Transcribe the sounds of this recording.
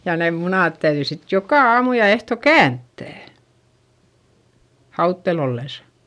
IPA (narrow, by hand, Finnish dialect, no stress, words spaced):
jɑ neːm munɑˑt tæyðyi sit jokɑˑ ɑːmu jɑ ehto kæntːæˑ hɑutːel olːesɑ̥